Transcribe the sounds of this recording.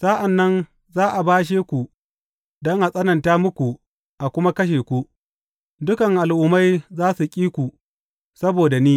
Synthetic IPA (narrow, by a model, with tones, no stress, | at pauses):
sa˦ʔa˨nːɐ˦n | zaː˦ʔa˨baː˦ʃ̬eː˦kʷu˨ | dɔ˦ŋʔa˨sʼɐ˦nɐ˨ntaː˦mʊ˦kʷu˨ | ʔa˨kʷʊ˦ma˦kɐ˦ʃ̬eː˨kʷu˦ | dʊ˦kɐ˨ŋʔa˨lʔʊ˦ma˦jzaː˦su˨kʲʼiː˦kʷu˨ | sɐ˦boː˨da˨niː˦